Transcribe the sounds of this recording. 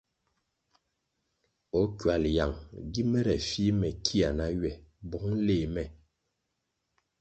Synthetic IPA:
ɔ˨˦kɥa˨lja˨ŋɡi˦mɛ˦ɾɛ˨fi˦mɛ˨kʰi˦a˨na˨˦ɥɛ˨bɔ˨˦ŋ˦leː˦˨mɛ˨

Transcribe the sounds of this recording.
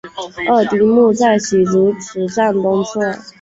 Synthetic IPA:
ə˥˩t̪i˧˥mu˥˧t͡sa˥˩ɪɕi˨˩ʈ͡ʂu˧˥t͡sʰɻ̩˨˧˥ʈ͡ʂa˥˩nkʊ˥ŋt͡sʰɔ˥˩

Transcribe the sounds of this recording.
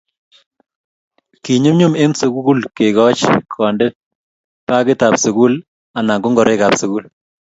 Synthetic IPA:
ki˨ɲu˦mɲu˦me˦msu˨ɡu˦ɡu˦lke˨kɔ˦t͡ʃkʰɔ˨ndɛ˦t̚ | pa˦kɪ˦ta˨psu˨ku˦l | a˨na˨ŋɡʊ˦ŋɡɔ˨ɾʔe˦ka˨psku˦l

